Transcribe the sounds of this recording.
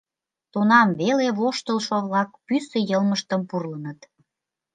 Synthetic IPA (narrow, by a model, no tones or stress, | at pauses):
t̪onɑmβeleβoʃt̪əlˠʃoβlɑk̚pysəjəlməʃt̪əmpurlənət̪